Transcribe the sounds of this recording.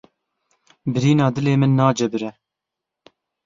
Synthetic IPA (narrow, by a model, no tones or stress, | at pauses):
bɨɾiːnɑːd̪ɨleːmɨnːɑːd͡ʒɛbɨɾɛ